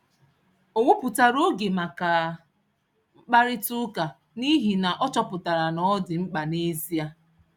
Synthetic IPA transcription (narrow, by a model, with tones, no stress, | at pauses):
o˨ŋʷʊ˦pʊ˨ta˨ɾo˦ɡe˨ma˨ka˨ | ŋ͡m̩˦k͡pa˦ɾɪ˦tu˦ka˨ | ni˦ɦi˨na˨ʔɔ˦t͡ʃɔ˦pʊ˨ta˨ɾa˨nɔ˨˦dɪ˨ŋ͡m̩˦k͡pa˨ne˦zi˦a˦